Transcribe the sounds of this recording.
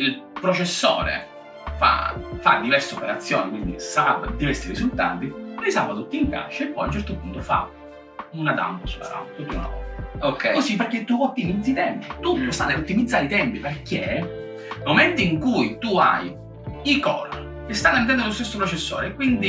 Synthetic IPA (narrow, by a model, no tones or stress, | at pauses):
ilpɾot͡ʃesːoɔ̰ːɾḛ | fa̰fa̰d̪ːivɛrseopeɾat̪sːjɔ̰ːnikwind̪ḭsaɾabd̪ivɛrsiɾizult̪a̰ːt̪iɾisa̰vat̪ut̪ːiŋka̰t͡ʃːaepːɔjunt͡ʃɛɾt̪opunt̪ofa̰ | unad̪a̰mposla̰ɾa̰t̪ut̪ːinɔ̰okːɛkosip̬erkːet̪ːuɔt̪ːimid̪zːit̪ɛmpit̪ut̪ːost̪anːelot̪ːimid̪zːaːɾit̪ɛmpiperkʰe | moment̪oiŋkujt̪ua̰j | ikɔ̰ːl | kest̪anːamnt̪ɛnd̪olost̪esːopɾot͡ʃesːɔ̰ːɾekwind̪i